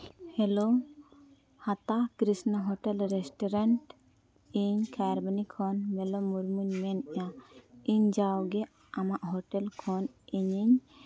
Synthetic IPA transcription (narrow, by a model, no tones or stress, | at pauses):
helo | hat̪akɾisnaɦɔʈɛlɾɛsʈɔɾaɳʈ | iɲkʰaɾbanikʰɔnmɛlɔmuɾmuɲmɛnaiɲd͡ʒawɡɛ | amaʔɦɔʈɛlkʰɔn | iɲiɲ